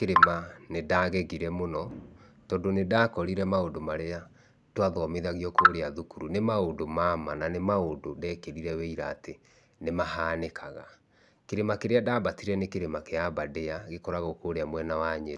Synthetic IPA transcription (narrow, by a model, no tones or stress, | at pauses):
keɾemanedaːɣɛɣiɾɛmonɔ | tɔːndonedaːkɔɾiɾɛmaondomaɾea | twaðɔmeðaɣiɔkoɾeaðukuɾunemaondomamananemaondodɛkeɾiɾɛweiɾaːte | nemahaːnekʰaɣa | keɾemakeɾeadaːbatiɾɛnekeɾemakeabadeaɣekɔɾaɣokoɾeamwɛnawaɲeɾ